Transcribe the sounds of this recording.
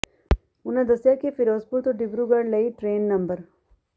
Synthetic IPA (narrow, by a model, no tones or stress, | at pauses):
unɐd̪ɐsjakifiɾoːspuɾt̪uɖibɾuɡɐɽlɐiʈɾeːnːɐmbəɾ